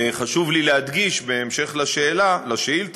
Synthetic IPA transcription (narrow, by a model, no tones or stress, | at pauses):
χaʃuvlileɦad̪ɡiʃbeːmʃe̞χlaʃe̞ːlalaʃeilt̪